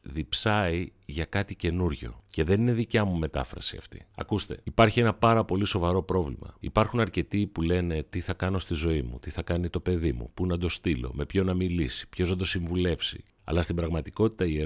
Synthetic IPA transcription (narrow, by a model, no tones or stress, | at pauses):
ðipsɐiʝɐkɐt̪ice̞nuɾʝo̞̰ce̞ðe̞nine̞ðicɐmume̞t̪ɐ̰fɾɐ̰siɐ̰ft̪i̥̰ɐ̰kust̪e̞ipɐɾçie̞nɐpɐɾɐpo̞liso̞vɐɾo̞pɾo̞vlḭmɐ̰ḭpɐɾxunɐɾce̞t̪ipule̞ne̞t̪iθɐkɐno̞st̪izo̞imṵt̪iθɐkɐnit̪o̞pe̞ðimṵpunɐd̪o̞st̪ilo̞̰me̞pço̞nɐmilisi̥pço̞znɐd̪o̞siɱvule̞fsḭ | ɐ̰lɐst̪imbɾɐɣmɐt̪iko̞t̪i̥t̪ɐie